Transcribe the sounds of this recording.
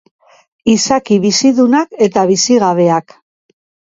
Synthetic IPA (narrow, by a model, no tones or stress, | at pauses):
isakiβisiðunake̞t̪aβisiɣaβ̞e̞ak